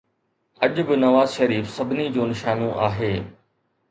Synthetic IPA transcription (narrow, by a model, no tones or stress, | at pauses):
ɐʄbɪnɐʋaːzʃɐɾiːfsɐbʱɪnid͡ʑoːnɪʃaːnõʔaːɦeː